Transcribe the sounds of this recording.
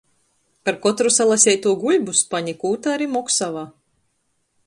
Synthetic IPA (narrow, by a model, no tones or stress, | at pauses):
paɾkɔt̪ɾusalˠasʲɛjt̪uɔɡuʎʲbuspaɲikuːt̪aaɾiːmɔksavaː